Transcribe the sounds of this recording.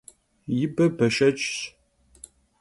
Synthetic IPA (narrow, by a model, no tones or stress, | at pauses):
jɪbɐbɐʃɐt͡ʃʼɕ